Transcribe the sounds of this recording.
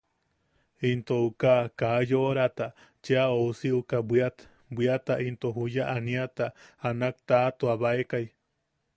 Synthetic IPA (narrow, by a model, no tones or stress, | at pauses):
int̪oukakajoɾat̪a | t͡ʃeaousiukabwiat̪ | bwiat̪aʔint̪oɦujaʔaniat̪aanak̚t̪at̪uaβaekaj